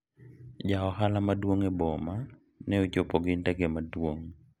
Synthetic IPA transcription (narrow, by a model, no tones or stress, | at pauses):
d͡ʒaɔhalamadwoŋɛbɔma | nɛot͡ʃopoɡɪntɛɡemadwoŋ